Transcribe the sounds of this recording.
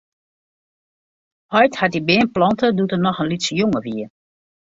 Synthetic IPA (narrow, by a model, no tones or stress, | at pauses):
hɔjthat̚dibɪənplɑntədutənɔxənlisəjʊŋəʋiə